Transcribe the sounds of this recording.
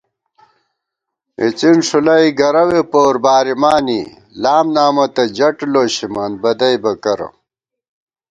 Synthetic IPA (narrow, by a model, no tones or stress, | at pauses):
ḭt͡sinʂulɐjɡɐɾɐwepoːɾbaːɾimaːni | laːmnaːmɐt̪ɐd͡ʑɐʈloːɕimɐnbɐd̪ɐjbɐkɐɾɐ̰